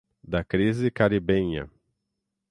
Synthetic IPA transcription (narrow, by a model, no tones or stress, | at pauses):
d̪ɐkɾizɪkaɾibẽɲɐ̰